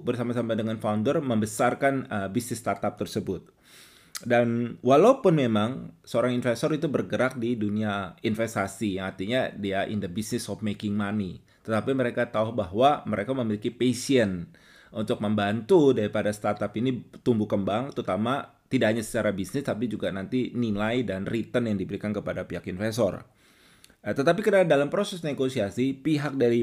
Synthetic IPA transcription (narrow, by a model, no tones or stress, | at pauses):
bərsamasamadəŋanfaundərməmbəsarkanəbisnɪsːt̪at̪ap̚t̪ərsəbʊt̪̚ | danwalaupʊnmemaŋsəoɾaŋinfɛst̪ɔɾit̪ubərɡəɾak̚diduniainfɛst̪asijaŋart̪iɲadiaʔɪ̰ndəbisnɪsɔfmekɪŋmani | t̪ət̪apiməɾekat̪auhbaɦwaməɾekaməmilikipesiən | unt̪ʊk̚məmbant̪udaɾipadast̪art̪apinit̪umbukəmbaŋt̪ɾut̪ama | t̪idaʔɦaɲasə̥t͡ʃaɾabisnɪst̪apid͡ʒuɡanant̪inilaidanrit̪ənjaŋdibəɾikankəpadapiɦakinfɛst̪ɔ̰r | t̪ət̪apikərnadalampɾosɛsneɡosiasipiɦak̚daɾi